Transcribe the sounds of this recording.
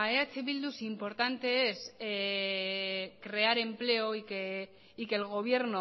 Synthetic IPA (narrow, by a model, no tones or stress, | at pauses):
aeat͡siβild̪usimpo̞ɾt̪ant̪e̞ese | kɾe̞aɾe̞mple̞oike | ike̞lɣ̞o̞β̞je̞ɾno